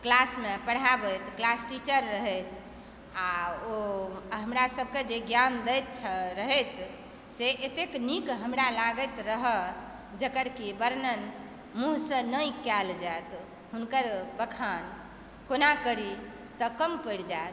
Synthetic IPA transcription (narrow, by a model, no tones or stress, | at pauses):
klasmepəɽ̤abəjt̪klasʈit͡ʃəɾːəɦət̪ʰ | aoɦəmɾasəb̚ked͡ʒeɡjand̪əjt̪̚t͡ʃʰəɾəɦət̪ | seʔet̪eknikɦəmɾalaɡət̪ɾəɦə | d͡ʒəkəɾkibəɾnən | muɦsə̃nəjkɛld͡ʒajt̪ | ɦunkəɾbəkʰan | konakəɾi | t̪əkəmpəɽd͡ʒat̪